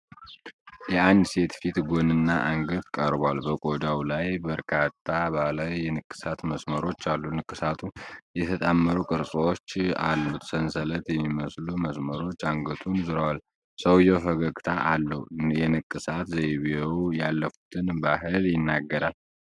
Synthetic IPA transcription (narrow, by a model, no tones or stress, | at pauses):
jɛand̪se̞t̪fit̪ɡo̞nɨnːaʔaŋɡəd̪kʼəɾbalbəkʼo̞d͡ʒawlajbəɾkʰat̪ʰːabalajːɛnɨkʼːɨ̥sat̪məsməɾo̞t͡ʃːalːunɨkʼːɨsat̪ʰujɛt̪ʰət̪ʼamːəɾukʼɨɾsʼwot͡ʃːa̰lːut̪sənsələt̪jɛmːiməsluməsməɾo̞t͡ʃːaŋɡət̪ʰunzɨɾəwal | səwjɛfəɡəɡt̪ʰaʔalːəujɛnɨkʼːɨsat̪zeβewjalːəfu̥t̪ʰɨnbaɦɨljɪnːaɡːəɾal